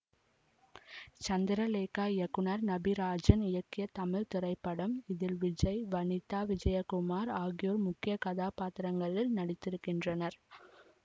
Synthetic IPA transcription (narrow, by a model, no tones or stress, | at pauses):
t͡ʃɐnd̪ɪɾɐleːkaːɪjɐkːʊɳɐɾnɐbiɾaːd͡ʒɐnɪjɐkːɪjɐt̪ɐmɪɻt̪ɪɾɐɪpːɐɽɐmɪðɪlʋɪd͡ʒɐɪʋɐnɪt̪ːaːʋɪd͡ʒɐjɐkʊmaːɾaːɣɪjoːɾmʊkːɪjɐkɐðaːpaːt̪ɪɾɐŋɡɐɭɪlnɐɽɪt̪ːɪɾɯkːɪndrɐnɐɾ